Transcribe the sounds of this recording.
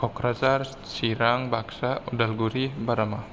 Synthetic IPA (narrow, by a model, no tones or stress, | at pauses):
kɔkɾasar | siɾaŋbaksaudalɡuɾibaɾama